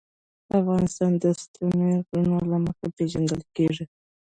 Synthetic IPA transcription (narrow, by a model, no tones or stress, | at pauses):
afɣɑnɪst̪ɑnd̪əst̪uneɣunolaməxaped͡ʒand̪əlkeʐi